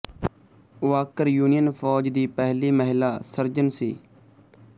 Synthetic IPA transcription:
ʊʋaːkəɾjuːnijənfʰɔːd͡ʒd̪iːpɛɦliːməɦɪlaːsəɾd͡ʒənsḭː

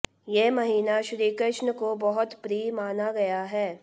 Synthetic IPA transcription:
jeːmɐɦiːnaʃɾiːkəʃnəkobɐɦʊt̪pɾiːmaːnaɡɐjaɦɛː

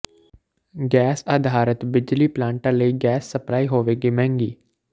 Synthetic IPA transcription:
ɡɛːsaːd̪ʱaːɾət̪bɪd͡ʒliːplãːɳʈãːləiːɡɛːsːəplaːiːɦoːʋeːɡiːmɛ̃ːŋɡiː

